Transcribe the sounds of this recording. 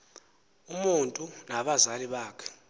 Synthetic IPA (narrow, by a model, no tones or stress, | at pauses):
umuntʼunaɓazaliɓaːkʰɛ̥